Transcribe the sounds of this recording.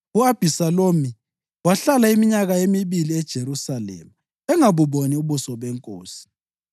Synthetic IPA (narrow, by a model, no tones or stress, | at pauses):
uab̥ʱisaloːmi | waɬalaimiɲaɣaemiβiliɛd̥ʒ̥ʱeɾusalɛ̰mu | ɛŋaβuβoniuβusɔβɛŋkʼo̰ːsi̥